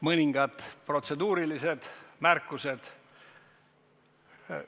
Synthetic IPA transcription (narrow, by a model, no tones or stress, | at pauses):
mɤnʲiŋɡ̥ɑt̪ˑpro̞t̪se̞d̪uːɾilise̞d̪̥mærkːˑuse̞d̪̥